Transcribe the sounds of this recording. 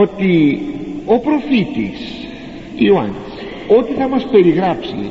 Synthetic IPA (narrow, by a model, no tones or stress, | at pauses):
o̞t̪i | o̞pɾo̞fit̪ḭs | ioɐ̰ns | o̞t̪iθɐmɐspe̞ɾiɣɾɐpsḭ